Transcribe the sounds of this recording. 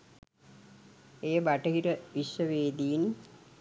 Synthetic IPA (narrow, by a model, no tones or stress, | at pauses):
eːbaʈɐɦiɾəʋiʃʋəʋeːd̪ijin